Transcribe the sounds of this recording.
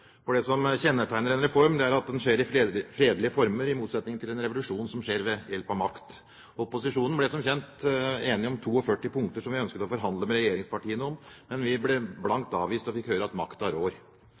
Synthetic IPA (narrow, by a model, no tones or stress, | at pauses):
fɔɖɛsɔmçɛnːəʈʰæɪnəɾɛnɾɛfɔɾmd̪ɛæɾɑt̪̚d̪ɛnʂeːɾɪfɾeːd̪lɪəfɔɾməɾɪmuːt̪sɛt̪nɪŋəɪlɛnɾɛʋʊlʉʂuːnsɔmʂeːɾʋɛjɛlpɑʋmɑkt̪ | ɔpːʊsɪʂuːnnblɛsɔmçɛnt̪eːnɪɔmt̪ʰuːɔfœʈːɪpʰʊŋkt̪əʂɔmʋɪœnskət̪ɔfɔɾɦɑnd̪ləmɛɾɛjeːɾɪŋspʰɑʈiːənəɔmmɛnʋɪblɛblɑŋkt̪ɑːʋiːst̪ɔfɪkhøːɾəɑt̪mɑ̰kt̪ɑɾoːɾ